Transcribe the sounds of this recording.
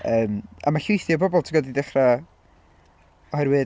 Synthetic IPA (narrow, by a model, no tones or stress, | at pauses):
əːma̰maɬʊjθjɔbɔbɔlˠtʰiɡɔdidɛχra | ɔhajwɨː